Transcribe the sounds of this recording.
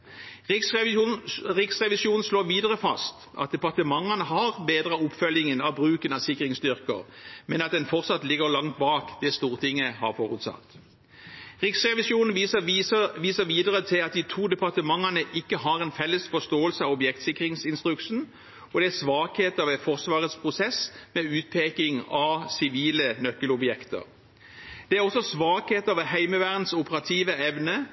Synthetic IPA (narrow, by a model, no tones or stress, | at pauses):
ɪs | ʁɪksʁɛʋɪsuːnn̩sloːʋiːd̪əʁəfɑ̰st̪ | ʔɑ̰t̪̚d̪ɛpɑʁt̪əmɑŋːənəɦɑʁbeːd̪ʁəʊpfœlɪŋənɑʋbʁʉːkənɑsɪkːʁɪŋst̪ʏʁkə̰ʁmɛnɑt̪̚d̪ɛnfɔʁsɑt̪lɪɡəʁlɑŋt̪̚bɑːkd̪ɛst̪uːʁt̪ʰɪŋːəhɑ̰ʁfoːʁʉt̪sɑ̰t̪ː | ʁɪksʁɛʋɪsuːnn̩ː | ʋiːsəʋiːd̪əʁət̪ʰɪlɑt̪̚d̪ɪt̪ʰuːd̪ɛpʰɑʁt̪əmɑŋənəʔɪkːəɦɑʁɛnfɛlːəsfɔst̪oːəlsəɑʋɔbjɛkt̪sɪkʁɪŋsɪnst̪ʁʉkʂn̩ | ɔd̪ɛæsʋɑːkheːt̪ɑʋɛfɔʁsʋɑːʁət̪spʰʁʊsɛsmɛʉːt̪̚pʰeːkɪŋɑʋsɪʋiːlənœkːəlʊbjɛkt̪ə̰ʁ | d̪̥ɛæɾɔsɔsʋɑːkheːt̪ɑʋɛɦæɪməʋæːʁnsʊpəʁɑt̪ʰiːʋəɛʋnə